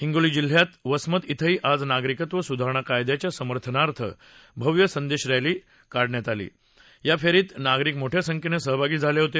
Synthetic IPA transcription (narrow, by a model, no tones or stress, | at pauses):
ɦiŋɡuliːd͡ʑil̤jat̪ʋəsmət̪it̪ʰəɦiːʔad͡znaɡɾikət̪ʋəsud̪ʱaɾəɳ̃akajd̪jat͡ɕjasəməɾt̪ʰənaɾt̪ʰə̰ | bʱəʋjəsənd̪eɕɾajliː | kaɽɳjat̪alḭː | jafʰeɾiːt̪naɡɾikmoʈʰesəŋkʰenesəɦbʱaɡiːd͡zʱaleɦot̪e